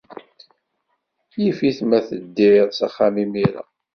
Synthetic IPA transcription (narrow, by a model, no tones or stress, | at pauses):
jifiθmæθəd̪ːɪðˤsaχːamimiɾa̰